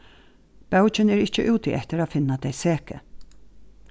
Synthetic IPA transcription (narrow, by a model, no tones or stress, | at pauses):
b̥aʊt͡ʃənæːɹɪt͡ʃəʔʉːt̪ḭʔɛt̪əɾɑːfɪnad̪æɪseːkə̰